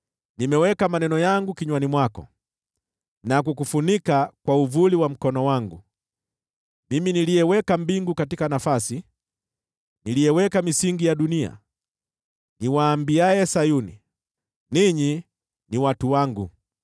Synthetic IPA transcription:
nimɛwɛkamanɛnɔjaŋɡukiɲwanimwakɔ̰ | nak̬ukufunikakwauvuliwam̩kɔnɔwaŋɡu | miminilijɛwɛkambiŋɡukatikanafasi | nilijɛwɛkamisiŋɡijaɗunia̰ | niwaːmbiaɛsajunḭ | niɲi | niwatuwaŋɡu

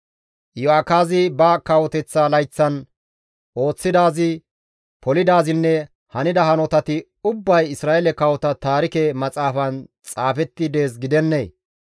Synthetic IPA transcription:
jɔakaːzɪbɐkɐwɔt̪ɛt͡sːalɐjt͡sːɐn | ʔo̞ːt͡sːɪd̪aːzɪ | pɔlɪd̪aːzɪnːɛ | hɐnɪd̪ɐhɐnɔt̪ɐt̪ɪ | ʊbːɐjɪsɾaːʔɛlɛkɐwɔt̪ɐt̪aːɾɪkɛmɐt͡sʼaːfɐnt͡sʼaːfɛt̪ːɪd̪e̞ːs̬ɡɪd̪ɛnːeː

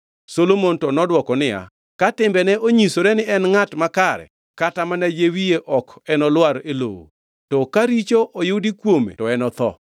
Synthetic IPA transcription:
solomontɔnɔdwɔkɔnɪja̰ | katɪmbɛnɛʔoɲisoɾɛnɪɛnŋatmakaɾɛ̰ | katamanajewijeʔɔkɛnɔlwaɾelo̰wo̰ | tɔkaɾit͡ʃoʔojʊdikwomḛtɔɛnɔt̪ɔ̰

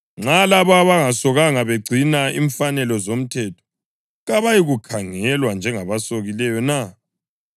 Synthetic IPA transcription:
ŋ͡ǁalaβaβaŋasɔɣaŋaβeɡ͡ǀʱinaḭɱfanɛlɔzom̩tʰɛtʰɔ̥ | ɣaβajiɣukʰaŋɛlwand͡ʒʱɛŋaβasoɣilɛjɔna

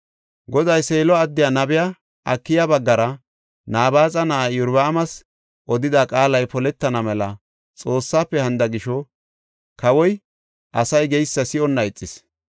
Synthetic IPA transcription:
ɡɔd̪ɐjseːlɔɐd̪ːɪjanɐbɪja | ʔɐ̰kːɪjabɐɡːɐɾɐ | naːbaːt͡sʼɐnɐʔajʊɾbɐːmɐs | ʔɔd̪ɪd̪akʼaːlɐjpɔlɛt̪ːɐnɐmɛlɐ | t͡sʼo̞ːsːaːpːɛhɐnd̪ɐɡɪʃɔ | kɐwɔj | ʔɐsɐjɡɛjsːɐsɪɔnːɐɛt͡sʼːɪs

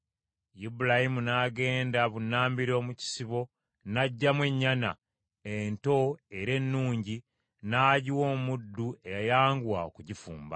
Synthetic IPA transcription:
jibulahimunaːɡe̞ːndaβunːaːmbiɾo̞ːmuci̥siβo̞ | naɟːamwe̞ɲːana̰ | ento̞e̞ɾe̞nːuːɲɟi | naːɟiwo̞ːmudːue̞jajaːŋɡwaokuɟifṵːmba̰

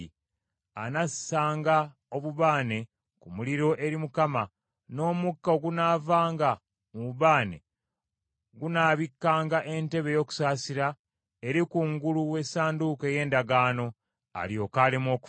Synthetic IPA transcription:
a̰nassaːŋɡa | o̞βuβaːne̞ | kumuliɾo̞ʔe̞ɾimukama | no̞ːmukːaoɡunaːvaːŋɡa | muuβaːne̞̰ | ɡunaːβikːaːŋɡaʔe̞nte̞βe̞jo̞ːku̥saːsiɾa | eɾikuŋɡuluwe̞saːnduke̞je̞ːndaɡaːno̞ | a̰ljo̞ːkaːlemo̞ːku̥

